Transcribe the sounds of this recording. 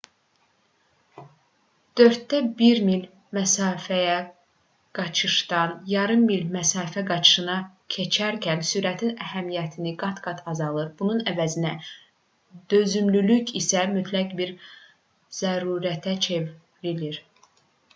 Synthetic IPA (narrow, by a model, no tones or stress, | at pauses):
d̪̥ø̞ɾt̪ːæbiɾmil | mæsɑːfæjæ | ɡ̥ɑt͡ʃʰɯʃt̪ɑnjɑɾɯmːilmæsɑːfæɡɑt͡ʃʰɯ̥ʃɯnɑ | cʰe̞t͡ʃʰæɾcʰænsyɾæt̪ʰinæhæmijæt̪ʰiniɡɑt̪ɡ̥ɑt̪ʰɑzɑlˠɯɾbununævæzinæ | d̪̥ø̞zymlylycisæmyt̪ʰlækbiɾ | z̥æɾuːɾæt̪ʰæt͡ʃʰev | liliɾ